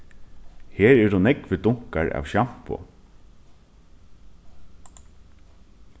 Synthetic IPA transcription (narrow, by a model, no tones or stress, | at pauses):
heːɹɛd̪ʊnɛkʋɪd̪ʊŋ̥kaɹa̰ːʋʃam̥pʊ̰